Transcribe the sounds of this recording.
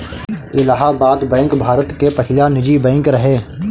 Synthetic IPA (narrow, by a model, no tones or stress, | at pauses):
ɪlaɦabaːd̪bɛ̃ːŋkbʱaːɾət̪kepɐkʰɪljanɪd͡ʒibɛ̃ːŋkɾɐɦeː